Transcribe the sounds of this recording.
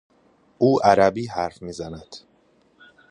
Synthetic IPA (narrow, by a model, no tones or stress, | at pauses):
ʔuːʔæɾæbiːɦæɾfmiːzænæd̪̥